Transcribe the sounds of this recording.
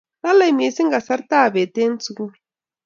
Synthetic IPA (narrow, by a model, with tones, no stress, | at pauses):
la˦la˨jmi˨si˦ŋɡa˨sa˦ɾt̪a˦˨be˨t̪e˦n˦t͡su˦ku˦